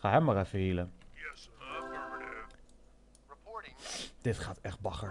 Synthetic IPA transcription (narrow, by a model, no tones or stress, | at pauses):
χaɦɛmərɛfəilə | d̥ɪtχaːtɛχt̚bɑχə